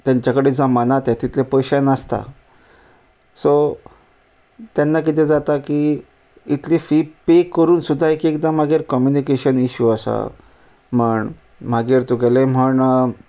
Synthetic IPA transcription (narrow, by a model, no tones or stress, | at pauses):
t̪jaɲt͡ɕakəɽed͡zəmanat̪jat̪it̪lepəjɕanəst̪a̰ | so | t̪janːakit̪ʰẽd͡zat̪akiː | it̪lifiːpekəɾuːnsud̪ʱːaekekd̪am̤aɡiːɾkɔmjunikeɕəniɕuəsa̰ | məɳ | m̤aɡiɾt̪uɡelem̤əɳ